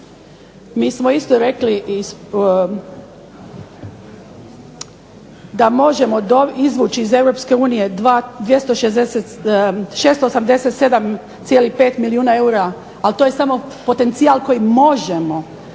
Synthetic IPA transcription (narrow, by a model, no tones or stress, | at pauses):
miːsmoist̪oɾe̞kli | d̪amo̞ʒe̞mo̞d̪oizʋuːt͡ʃiːze̞wɾo̞pske̞uːnije̞d̪ʋaːd̪ʋje̞st̪oʃezd̪eset̪ʃeːst̪oosamd̪e̞set̪se̞d̪am | t̪sjelipe̞ːt̪miliuːnae̞uɾa | alt̪oːjesamo̞pot̪e̞nt̪sialko̞jimo̞ʒemo